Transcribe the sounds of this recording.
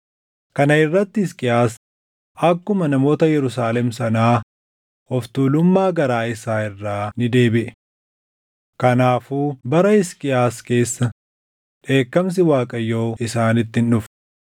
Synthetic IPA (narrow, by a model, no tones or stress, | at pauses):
kɐnɐɪrːɐt̪ːɪɪskʼɪaːs | ɐkːʊmɐnɐmo̞ːt̪ɐjɛɾʊs̬aːlɛmsɐnaː | ɔft̪uːlʊmːaːɡɐɾaːɪsaːɪrːaːnɪd̪e̞ːbɪʔɛ̥ | kɐnaːfuːbɐɾɐɪskʼɪaːske̞ːsːɐ | ᶑe̞ːkːɐms̬ɪwaːkʼɐjo̞ːɪsaːnɪt̪ːɪɪnᶑʊf